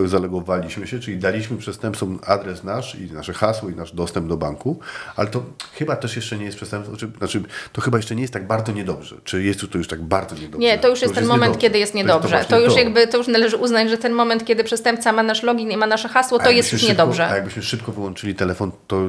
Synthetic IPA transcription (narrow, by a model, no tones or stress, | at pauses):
zalɛɡɔvalʲiɕmɘɕɛt͡ʂɘlʲid̪alʲiɕmɘpʂɛst̪ɛmpt̪fɔmad̪ɾɛsnaʂḭnaʂɛxaswɔinaʐd̪ɔst̪ɛmb̚d̪ɔbaŋkua̰lɛt̪ɔxɘbat̪ɛʂjɛʂt͡ʂɛɲɛjɛst̪pʂɛst̪ɛmpsɔt͡ʂɘnat͡ʂɘt̪ɔxɘbajɛʂt͡ʂɛɲɛjɛst̪ːaɡ̚baɾd̪zɔɲɛd̪ɔbʐɛ̰t͡ʂɘjɛst̪jut̪ɔjuʂt̪aɡ̚baɾd̪ɔɲɛd̪ɔɲɛt̪ɔjuʂjɛsɛɛmɔmɛnt̪kʲɛd̪ɘjɛst̪ɲɛɔb̪ʐɛt̪ɔjuʂjaɡbɘt̪ɔjuʂnalɛʐɘʔuznad͡ʑʐɛt̪ɛnmɔmɛnt̪̚kʲɛd̪ɘpʂɛst̪ɛmpt̪samanaʂlɔɡʲinɛmanaʂɛxaswɔt̪ɔjɛst̪juʂɲɛd̪ɔbʐɛjaɡ̚bɘɕmɘʂɘp̚kɔvɘwɔnt͡ʂɘlʲit̪ɛlɛfɔnt̪ɔ